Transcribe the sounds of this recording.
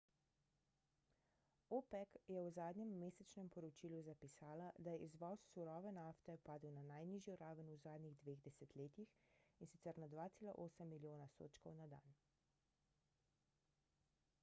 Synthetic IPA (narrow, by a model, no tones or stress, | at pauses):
opɛkjɛwzaːd̪nɲɛmːeːsɛt͡ʃnɛmpɔɾɔt͡ʃiːluzapisaːlad̪ajɛʔizʋɔsːuɾɔːʋɛnaːft̪ɛpaːd̪uwnanajniːʒjɔɾaːʋənuzaːd̪niɣd̪ʋeːɣd̪ɛsɛt̪leːt̪ixinsit̪sɛɾnad̪ʋaːt̪seːla̰ʔoːsəmːiljoːnast̪o̰ːt͡ʃkɔwnad̪a̰n